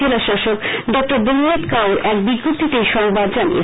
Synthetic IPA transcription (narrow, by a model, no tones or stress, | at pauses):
elaʃaʃokɖɔk̚ʈoɾboniɾat̪kaoɾɛkbiɡːop̚t̪it̪ejʃɔŋbad̪d͡ʑanḭḛ